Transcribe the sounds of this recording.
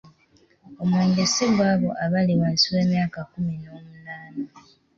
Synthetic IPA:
o̞mweːnɟeseβwaːβo̞ʔaβaliwansiwe̞ːmjaːkakumino̞ːmunaːno

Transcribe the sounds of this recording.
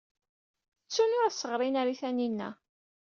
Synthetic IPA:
ət͡sːunʊɾæsːəʁɾˤinaɾiθæninːæ̰

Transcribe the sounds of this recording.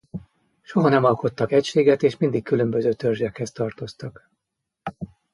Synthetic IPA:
ʃoɦɒnɛmɒlko̞t̪ːɒkɛcʃeːɡɛt̪eːʃmind̪ikːylømbøzøːt̪ørʒɛkhɛst̪ɒrt̪o̞st̪ɒk

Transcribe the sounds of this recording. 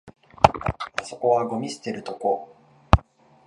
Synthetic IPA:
aso̞ko̞βaɡo̞mʲise̥t̪e̞ɾɯ̟t̪o̞ko

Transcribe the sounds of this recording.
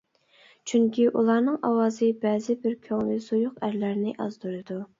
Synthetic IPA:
t͡ʃʰyŋkʲiʔulˠɑɾnɨŋʔɑ̰wɑːzɨbɛːzɪbɪɾkʲʰøŋlɪz̥ujʊqæɾlæɾnɪʔɑzd̪uɾɨd̪u

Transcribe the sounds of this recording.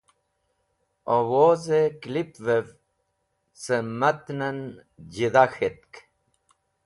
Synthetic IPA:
owozeklipvev | səmat̪nənd͡ʑiðaxet̪̚k

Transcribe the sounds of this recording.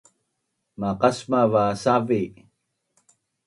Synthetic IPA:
maqasmavasavi

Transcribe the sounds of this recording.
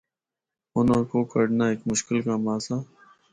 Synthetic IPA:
ʊnõːkoːkəɽnaːeːkmʊʃkɪlkaːmaːsaː

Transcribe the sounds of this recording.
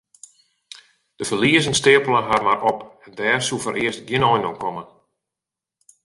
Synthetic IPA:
d̥əfəliəzənstɪəpəlˠənɦarmarɔpɛndɛːrsufɔɾʔɪəstɡjɪnɔjnokʰɔmən

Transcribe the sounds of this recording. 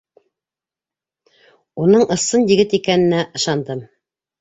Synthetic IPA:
unɤɴɤ̆sɤnjɘ̆ɡɘt̪ikænɘ̆næʔɤ̆ʃɑnd̪ɤm

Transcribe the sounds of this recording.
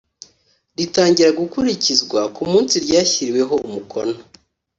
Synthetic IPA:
ɾitaːɲɟiɾaɡukuɾicizɡwakumuːnsiɾɟaːçiɾiwe̞ɦo̞umukʰona

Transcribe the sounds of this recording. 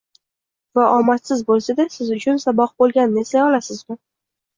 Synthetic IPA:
vaʔɒmat̪sɪzbolˠsad̪asɪzʊt͡ʃʰʊnsabɒq̚bolˠɡʲanɪnɪeslajɒlasɪzmɪ

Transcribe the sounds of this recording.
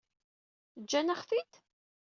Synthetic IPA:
d͡ʒːænəχfid̪

